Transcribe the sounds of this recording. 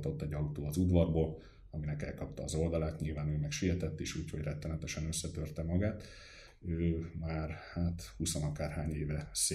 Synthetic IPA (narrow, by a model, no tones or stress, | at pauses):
t̪o̞t̪ːɛɟːɒlut̪oːɒzud̪vɒrboːl | ɒminɛkɛ̰lkɒp̚t̪ɒːzo̞ld̪ɒlaːt̪ɲilvaːnøːmɛkʃiɦɛt̪ɛt̪ːeːʃuːcho̞ɟrɛt̪ːɛnɛt̪ɛʃɛnø̞sːɛt̪ørt̪ɛmɒɡaːt̪ | øːmaːrhaːt̪husonɒkaːrhaːɲeːvɛs